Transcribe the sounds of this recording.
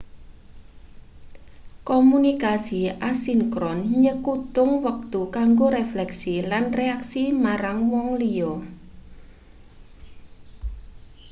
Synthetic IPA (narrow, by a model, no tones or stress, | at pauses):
kɔmunikasiasiŋkɾɔnɲəkut̪ʊŋwək̚t̪ukaŋɡoɾeflɛksilanreaksimaɾaŋwɔŋlijɔ